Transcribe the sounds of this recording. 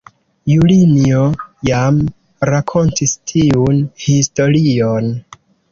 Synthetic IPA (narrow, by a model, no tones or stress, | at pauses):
juliniojam | ɾakʰo̞ntistʰiunhisto̞ɾion